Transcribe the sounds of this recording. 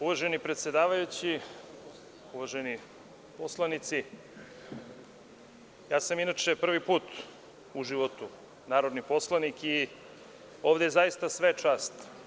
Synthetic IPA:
uʋaʒenipɾet̪sjed̪aːʋajut͡ɕi | uʋaʒeni | poslˠanit̪si | jaːsaminat͡ʃe̞pr̩ʋipuːt̪ | uʒiʋot̪u | naːɾod̪nipo̞slˠaniki | o̞ːʋd̪eezajist̪asʋet͡ʃaːst̪

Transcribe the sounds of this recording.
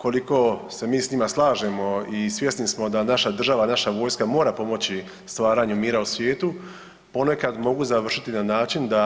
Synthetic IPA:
ko̞liko̞se̞miːsɲimaslˠaːʒemo̞isʋje̞snismo̞d̪anaʃad̪r̩ʒaʋanaʃaʋo̞ːjskamo̞ːɾapo̞mo̞t͡ɕi | st̪ʋaːɾaːɲumiːɾausʋje̞ːt̪u | po̞ne̞kad̪mo̞ɡuzaʋr̩ʃit̪inanaːt͡ʃind̪a

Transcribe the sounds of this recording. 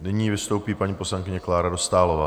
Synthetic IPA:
nɪɲiːvɪst̪o̞wpiːpaɲiːposlaŋkɪɲɛklaːɾado̞st̪aːlovaː

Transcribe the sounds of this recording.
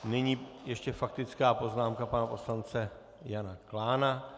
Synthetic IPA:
nɛɲiːjɛʃcɛfak̚t̪ɪt͡skaːpo̞znaːmkapanapo̞slant͡sɛ | janaklaːna

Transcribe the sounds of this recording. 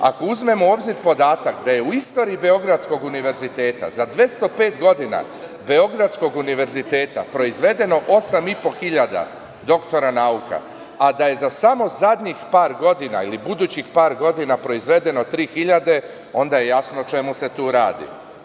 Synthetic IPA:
a̰kouzme̞moobziɾpo̞d̪aːt̪akd̪aje̞uist̪o̞ːɾiibe̞o̞ɡɾat̪sko̞ɡuniʋe̞ɾzit̪e̞ːt̪a̰zad̪ʋje̞st̪o̞pe̞ːt̪ɡo̞d̪ina̰ | be̞o̞ɡɾat̪sko̞ɡuniʋe̞ɾzit̪e̞ːt̪a̰pɾo̞izʋe̞d̪e̞no̞ʔo̞samipo̞xiʎad̪a̰ | d̪o̞kt̪o̞ɾanauka̰ | ad̪aje̞zasamo̞zad̪ɲixpaːɾɡo̞d̪ina̰ilibud̪uːt͡ɕixpaːɾɡo̞d̪inapɾo̞izʋe̞d̪e̞no̞t̪ɾiːxiʎad̪e̞ | o̞nd̪aje̞jasnot͡ʃe̞muse̞t̪uːɾaːd̪ḭ

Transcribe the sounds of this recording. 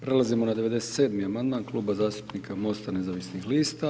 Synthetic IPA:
pɾe̞lˠazimonad̪e̞ʋe̞d̪e̞set̪seːd̪miamand̪maːnklˠuːbazaːst̪u̥pnikamo̞st̪ane̞zaʋisnixliːst̪a

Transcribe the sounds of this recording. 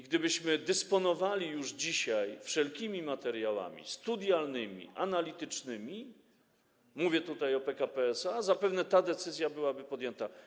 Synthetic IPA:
ɡd̪ɘbɘɕmɘd̪ɛspɔnɔvalʲijuʐd͡ʑiɕajfʂɛlkʲimʲimat̪ɛɾjawa̰mʲḭst̪ud̪ʲjalnɘmʲḭʔanalʲit̪ɘt͡ʂnɘmʲi | muvʲjɛt̪ut̪ajɔpɛkapɛɛsazapɛvnɛt̪ad̪ɛt̪sɘzʲjabɘwabɘpɔd̪jɛnt̪a

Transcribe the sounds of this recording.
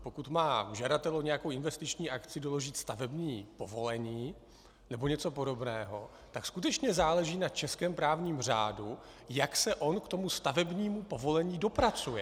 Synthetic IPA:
pokut̪maːʒadat̪ɛloɲɛjakowɪnvɛst̪ɪt͡ʃɲiːʔakt͡sɪdo̞lo̞ʒɪt̪st̪avɛbɲiːpo̞vo̞lɛɲiː | nɛbo̞ɲɛt͡so̞po̞do̞bnɛːɦo̞ | t̪akskut̪̬ɛt͡ʃɲɛzaːlɛʒiːnat͡ʃɛskɛːmpɾaːvɲiːmr̝a̰ːdu | jaksɛʔo̞nkt̪o̞must̪avɛbɲiːmupo̞vo̞lɛɲiːdo̞pɾat͡sujɛ

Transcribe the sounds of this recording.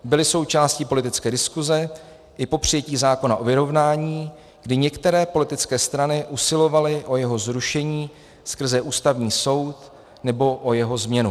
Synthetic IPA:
bɪlɪso̞wt͡ʃaːscipo̞lɪt̪ɪt͡skɛːdɪskuzɛ | ʔɪpo̞pr̝̥ɪjɛciːzaːko̞naʔo̞vɪɾo̞vnaːɲiː | ɡdɪɲɛkt̪ɛɾɛːpo̞lɪt̪ɪt͡skɛːst̪ɾanɪʔusɪlo̞valɪʔo̞jɛɦo̞zɾuʃɛɲiː | skr̩zɛʔuːst̪avɲiːso̞wt̪ | nɛbo̞ʔo̞jɛɦo̞zmɲɛnu

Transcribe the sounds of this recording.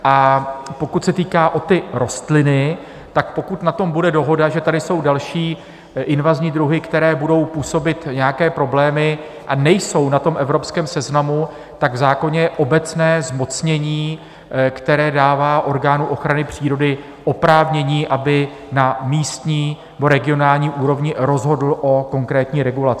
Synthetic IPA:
ʔapokut̪sɛt̪iːkaːʔo̞t̪ɪɾo̞st̪lɪnɪ | t̪ak̚po̞kut̪nat̪o̞mbudɛdo̞ɦo̞daʒɛt̪adɪso̞wdalʃiː | ʔɪnvazɲiːd̪ɾuɦɪkt̪ɛɾɛːbudo̞wpuːso̞bɪt̪ɲɛjakɛːpɾo̞blɛːmɪ | ʔanɛjso̞wnat̪o̞mʔɛvɾo̞pskɛːmsɛznamu | t̪aɡvzaːko̞ɲɛʔo̞bɛt͡snɛːzmo̞t͡sɲɛɲiː | kt̪ɛɾɛːdaːvaːʔo̞ɾɡaːnuʔo̞xɾanɪpr̝̥iːɾo̞dɪ | ʔo̞pɾaːvɲɛɲiːʔabɪ | namiːst̪ɲiːnɛbo̞ɾɛɡɪo̞naːlɲiːʔuːɾo̞vɲɪɾo̞zɦo̞dl̩ʔo̞ko̞ŋkɾɛːt̪ɲiːɾɛɡulat͡sɪɪ

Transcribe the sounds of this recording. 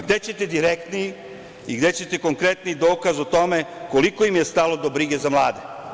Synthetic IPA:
ɡd̪e̞t͡ɕe̞t̪ed̪iɾekt̪niji | iɡd̪et͡ɕe̞t̪eko̞ŋkɾet̪nijid̪o̞ːkazot̪o̞me̞ko̞liko̞imje̞st̪alo̞d̪o̞bɾiɡe̞zamlˠaːd̪e

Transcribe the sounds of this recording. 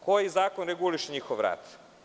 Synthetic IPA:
kojizaːkonɾeɡuliʃɲixoʋɾa̰t̪

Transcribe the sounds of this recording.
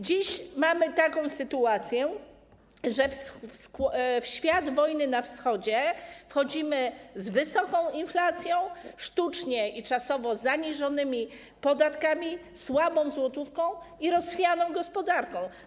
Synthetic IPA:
d͡ʑiɕmamɘt̪akɔ̃w̃sɘt̪uat̪sʲjɛ | ʐɛfsskfɕfʲjad̪vɔjnɘnafsxɔd͡ʑɛfxɔd͡ʑimɘzvɘsɔkɔ̃w̃inflat̪sʲjɔ̃w̃ʂt̪ut͡ʂɲɛʔit͡ʂasɔvɔzaɲiʐɔnɘmʲi | pɔd̪at̪kamʲiswabɔ̃w̃zwɔt̪ufkɔ̃w̃iɾɔsfʲjanɔ̃w̃ɡɔspɔd̪aɾkɔ̃w̃

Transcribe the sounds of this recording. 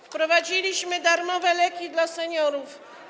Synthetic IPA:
fpɾɔvad͡ʑilʲiɕmɘd̪aɾmɔvɛlɛkʲid̪lasɛɲɔɾuf

